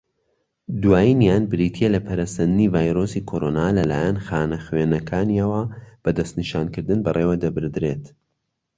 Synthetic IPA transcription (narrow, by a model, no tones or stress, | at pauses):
d̪waːjinjaːnbɨɾiːt̪ʰielɐpʰɐɾasɐnd̪ɨnivaːjɾosikʰoɾoːnaːlɐlaːjɛnxaːnɐxwenɐkʰaːniɐwɐb̥ɐd̪ɐst̪niʃaːnkɨɾd̪ɨnbɐreːwɐd̪ɐbɨɾd̪ɾet̪